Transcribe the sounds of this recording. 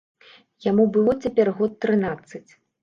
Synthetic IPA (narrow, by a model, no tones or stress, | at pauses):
jamubɨlˠɔt͡sʲapʲɛrɣɔt̪ːɾɨnat̪sːɨt͡sʲ